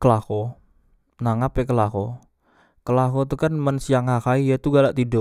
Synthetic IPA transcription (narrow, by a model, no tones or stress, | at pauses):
kəlakɔ | naŋapekəlakɔ | kəlakɔt̪ukanmənsijaŋhakaijat̪uɡalaʔt̪ido